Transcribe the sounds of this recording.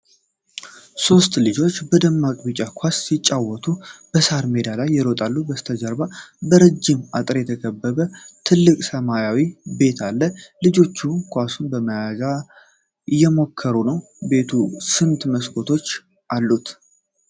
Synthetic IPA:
so̞st̪lɨd͡ʒo̞t͡ʃːbəd̪əmːakʼbɨt͡ʃʼakʷʰasːit͡ʃʼːawːɔt̪ʰub̥əsaɾme̞d̪alajːɪɾot̪ʼalːubəst̪ʰəd͡ʒəɾbabəɾəd͡ʒːɪmat̪ʼɾjɛt̪ʰəkʰəbːəβət̪ʰɨlːɨkʼsəmajawibe̞t̪ʰalːəlɨd͡ʒo̞t͡ʃːukʰʷasunbəməjaza | jɛmo̞kʰːəɾunəw | be̞t̪ʰusɨnt̪məskʰo̞t̪ʰo̞t͡ʃː | ʔalːut̪

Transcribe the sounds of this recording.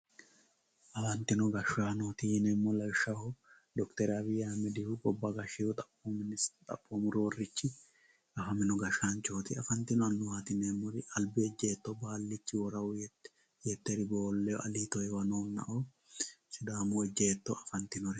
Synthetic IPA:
ʔɐfɐnt̪ɪnɔɡɐʃaːnoːt̪iːnɛmːɔlɐwʃɐhɔ | d̪ɔkt̪ɛɾɐbɪjaːmɛd̪ɪhʊkʼɔbːɐɡɐʃːɪhʊt̪ʼɐpːɔmnst̪ʼɐ̰pʼːɔmʊɾoːrːɪt͡ʃːɪ | ɐfɐmɪnɔɡɐʃant͡ʃoːt̪ɪɐfɐnt̪ɪnɔɐnːʊhaːt̪ɪnɛmːɔɾɐlbɪɛd͡ʒːeːt̪ːɔbaːlːɪt͡ʃːɪwɔɾɐwʊ | jɛt̪ːɛɾɪboːlːɛjɔʔɐliːt̪ɔɛwɐnoːnːɐ̰ʔoː | sɪd̪aːmʊɛd͡ʒːeːt̪ːɔɐfɐnt̪ɪnɔɾɛ

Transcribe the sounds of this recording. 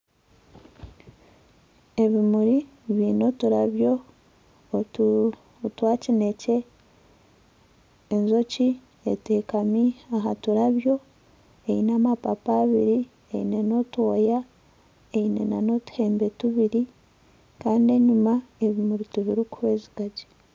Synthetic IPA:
e̞βimuɾi | βiːno̞tuɾaβjo̞ | twaːcine̞ce̞ | nzo̞ci | eteːkamiaɦatuɾaβjo̞ | einaːmapapaːβiɾi | ḛḭne̞no̞tuoja | einḛnano̞tu̥he̞ːmbetuβiɾi | kaːndie̞ɲumaeβimuɾituβiɾikuhweːziɡaɟi̥

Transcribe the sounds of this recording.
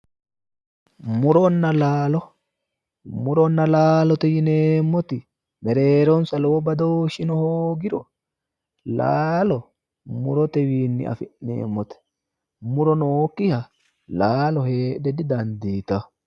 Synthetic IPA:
mʊɾɔnːɐlaːlɔ | mʊɾɔnːɐlaːlɔt̪ɛjɪneːmːɔt̪ɪ | mɛɾeːɾɔnsɐloːbɐd̪oːʃɪnɔhoːɡɪɾɔ | laːlɔ | mʊɾɔt̪ɛwiːnːɪ̰ɐ̰fɪʔnḛːmːɔt̪ɛ̥ | mʊɾɔnoːkːɪhɐ | laːlɔheːdɛd̪ɪd̪ɐnd̪iːt̪ɐ

